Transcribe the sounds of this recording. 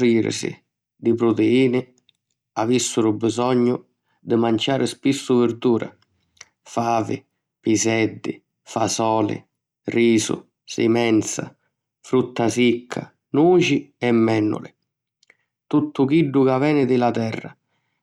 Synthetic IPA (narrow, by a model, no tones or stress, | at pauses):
iːɾɪ̰sɪ̰ | d̪ɪpɾʊt̪eiːnɪ | avisːʊɾʊbizɔɲːʊ | d̪ɪmant͡ʃaːɾɪspisːʊvɪɾd̪uːɾʔa̰ | faːvɪ | pisɛd̪ːɪ | fasɔːlɪ̰ | riːsʊ̰ | sɪ̰mɛnt̪sa̰ | fɾut̪ːasikʰːa̰ | nuːt͡ʃiɛmːɛnːʊ̰lɪ | t̪ut̪ːʊkiɖːʊkavɛːnɪd̪ɪlat̪ɛrːa̰